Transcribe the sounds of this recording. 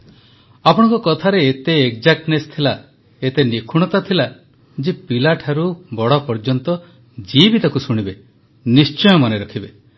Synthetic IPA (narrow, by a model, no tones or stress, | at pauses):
apɔɽ̃ɔ̃ŋkɔkɔt̪ʰaɾeet̪eek̚d͡ʒak̚ʈnest̪ʰila | et̪enikʰuɽ̃ɔt̪at̪ʰila | d͡ʒepilaʈʰaɾubɔɽɔpɔɾd͡ʒɔnt̪ɔ | d͡ʒibit̪akusuɽ̃ibe | nist͡ʃɔjɔmɔneɾɔkʰibe